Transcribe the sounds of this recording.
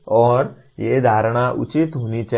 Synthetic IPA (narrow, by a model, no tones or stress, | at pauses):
ɔɾ | jed̪ʱaɾɳ̃aʔṵt͡ɕit̪ɦonit͡ɕa